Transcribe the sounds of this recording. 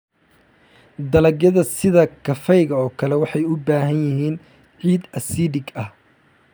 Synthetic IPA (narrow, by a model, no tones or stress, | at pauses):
d̪ɐlɐɡjɐðɐsɪðɐkʰɐfɛjɣɐɔːkʰɐlɛwɑħɑjʊbaːɦɐnjɪɦiːn | ʕiːd̪ɐsiːdɪɡɐh